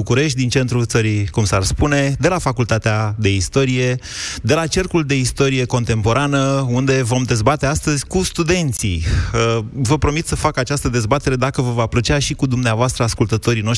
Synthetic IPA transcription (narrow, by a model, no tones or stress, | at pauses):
ukuɾe̞ʃt̪̚ʲd̪int͡ʃe̞nt̪ɾut̪səɾikumsarspune̞d̪e̞lafakult̪at̪ead̪e̞ist̪o̞ɾije̞ | d̪e̞lat͡ʃe̞rkuld̪e̞ist̪o̞ɾije̞ko̞nt̪e̞mpo̞ɾanəund̪e̞vo̞md̪e̞zbat̪east̪əzʲkust̪ud̪e̞nt̪sḭəvəpɾo̞mit̪səfakat͡ʃast̪əd̪e̞zbat̪e̞ɾe̞d̪akəvəvaplət͡ʃeaʃikud̪umneavoast̪ɾəaskult̪ət̪o̞ɾino̞ʃ